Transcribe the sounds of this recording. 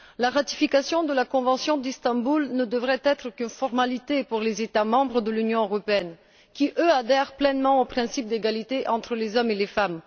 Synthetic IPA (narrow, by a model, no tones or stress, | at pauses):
laʁat̪i̥fikasjɔ̃d̪əlakɔ̃vɑ̃sjɔ̃d̪ist̪ɑ̃bulnəd̪əvʁɛt̪ɛt̪χəkynfɔʁmalit̪epuʁlezet̪amɑ̃bʁəd̪əlynjɔ̃øʁɔpeɛn | kʲiʔøad̪ɛʁplɛnmɑ̃opχɛ̃sip̚d̪eɡalit̪eʔɑ̃t̪χəlezɔmelefam